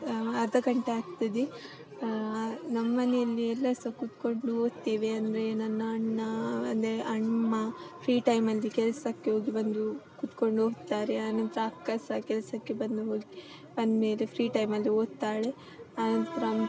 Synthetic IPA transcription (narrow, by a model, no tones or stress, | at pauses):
ɐd̪ɐɡɐɳʈeaːɡt̪id̪e | nɐmːɐnejɐlːiɛlːɐsɐkut̪koɳɖuɦoːɡt̪iːʋeɐnd̪ɐɾe̞nɐnːɐɐɳːɐɐnd̪ɾeʔɐɳmɐpʰɾiːʈɐjmɐlːikɛlɐsɐkːeɦoːɡibɐnd̪ukut̪ko̞ɳɖuoːɡt̪ːaːɾeɐnɐnt̪ɾɐːkːɐsɐkɛlɐsɐkːebɐnd̪uɦoːɡi | bɐnd̪meːlepʰɾiːʈɐjmɐlːioːɡ̚t̪aːɭe | ɐnɐnt̪ɾɐm